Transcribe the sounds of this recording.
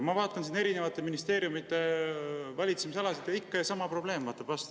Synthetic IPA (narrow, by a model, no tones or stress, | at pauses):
mɑvɑːt̪ːˑɑnsiːne̞ɾine̞vɑt̪ːˑe̞minist̪e̞ːɾjumit̪ːˑe̞ | vɑlʲit̪semiseɑlɑsid̪jɑikːɑjsɑmɑpro̞b̥le̞ːmvɑːt̪ːˑɑb̥vɑst̪